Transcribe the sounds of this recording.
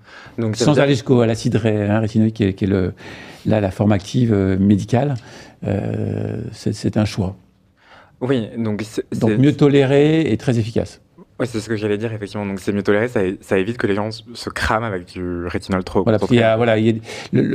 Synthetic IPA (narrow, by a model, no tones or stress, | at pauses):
d̪ɔ̃kssɑ̃zaleʒyskoalasid̪ʁɛɛ̃ʁet̪inɔlkʲɛkʲɛləlalafɔʁmak̚t̪ʰivømed̪ikʲalø̰ | sɛsɛt̪ɛ̃ʃwa | wid̪ɔ̃ksɛd̪ɔ̃ɛkmjøt̪ɔleʁeet̪χɛzefikʲa̰s | wisɛsəkəʒalɛd̪iʁefɛk̚t̪ivmɑ̃d̪ɔ̃ksɛmjøt̪ɔleʁesaesaevit̪kəleʒɑ̃səkχamavɛkd̪yʁet̪ʰinɔlt̪χovwalapaskiljavwalailjad̪elə